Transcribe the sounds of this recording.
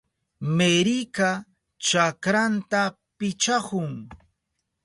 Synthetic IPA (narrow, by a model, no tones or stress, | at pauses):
meɾika | t͡ʃakɾant̪a | pɪt͡ʃahʊŋ